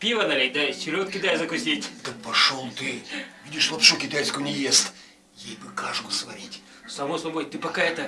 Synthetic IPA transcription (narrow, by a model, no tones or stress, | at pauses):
pʲivɐnɐlʲet̚ʲd̪asʲɪɾʲot̪̚kʲɪt̪ajzɐkʊsʲitʲt̪ɨk̚pɐʂolˠt̪ɨvidʲɪʂlˠɐpʂukʲɪt̪ajskʊjʊnʲɪvʲest̪ | jejbɨkaʐkʊsvɐɾʲitʲ | sɐmosɐbojt̪ɨpɐkaɛt̪ə